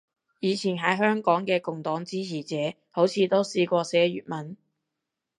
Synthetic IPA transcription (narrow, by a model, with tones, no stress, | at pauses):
jiː˨˧t͡sʰiː˨˩nɦɐ˨˥jɦœː˥ŋkɔː˨˥ŋkɛː˧kʊ˨ŋt̪ɔː˨˥ŋt͡siː˥t͡sʰiː˨˩t͡sɛː˨˥ | ho˨˥wt͡sʰiː˨˧t̪o˥wsiː˧kʷɔː˧sɛː˨˥ɥy̰ː˨t̚mɐ˨˥n